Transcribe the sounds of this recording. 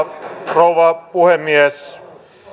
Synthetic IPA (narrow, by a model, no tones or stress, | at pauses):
rouʋɑpuhemːies